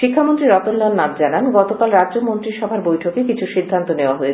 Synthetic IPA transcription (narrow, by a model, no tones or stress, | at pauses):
ʃikʰːamont̪ɾiɾɔt̪olːɔnːamd͡ʑananɡɔt̪okalɾadd͡ʑomont̪ɾiʃɔbʱaɾbojʈʰokekit͡ɕʰuʃid̪ʱːant̪oneoaɦoet͡ɕʰ